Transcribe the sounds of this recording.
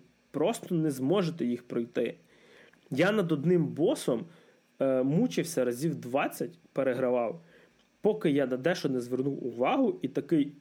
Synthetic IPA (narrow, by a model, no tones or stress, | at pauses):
pɾɔst̪ɔnɛzmɔʒet̪ɛjixpɾɔjt̪ɪ | janɐd̪ɔd̪nɪmbɔsɔm | mut͡ʃɪwsʲɐɾɐzʲiwd̪ʋɑt͡sʲːɐtʲpeɾeɦɾɐʋɑw | pɔkɪjad̪ɐd̪ɛʃɔnɛzʋernuwʊʋɑɦʊit̪ɐkɪj